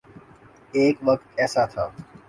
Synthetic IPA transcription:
eːkʋəkt̪ɛːsaːt̪ʰaː

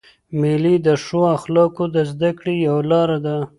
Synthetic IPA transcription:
milid̪əʂoaxlɑkod̪əzd̪akɽejawlɑɾad̪a

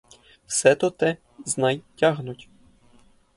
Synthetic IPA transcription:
wsɛt̪ɔt̪ɛ | znɑjtʲaɦnʊtʲ

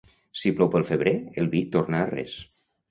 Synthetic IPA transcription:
siplɔwpəlˠfəβɾeelˠβit̪oɾnarɛ̰s

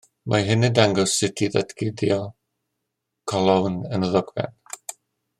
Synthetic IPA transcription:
mʔaɦɪnɪdaŋɡɔsɪtʰiða̰tʰɡɪdiɔ | kʰɔlˠawnənəðɔɡvɛ̰n

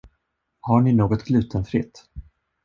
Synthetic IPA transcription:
haɳɪnoːɡɔt̪ɡlʉ̟ːt̪ʰənfɾɪ̰t̪ː

